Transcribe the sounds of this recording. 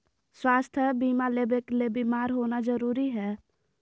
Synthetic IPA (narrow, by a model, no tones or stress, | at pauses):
swaːst̪ʰəbiːmaleːbeklebimaːɾɦoːnad͡ʒəɾuːɾiɦɛː